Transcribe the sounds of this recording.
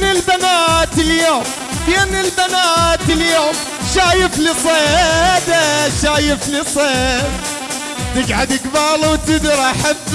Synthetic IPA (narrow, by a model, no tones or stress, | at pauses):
nɪlbanaːt̪ɪljoːm | famnɪlbanaːt̪ɪljoːm | ʃaːjɪflisˤeːd̪aʃaːjɪflisˤeː | t̪ɪɡʕad̪ɪɡbɑːlˤwt̪ɪd̪ɾˤaħɪb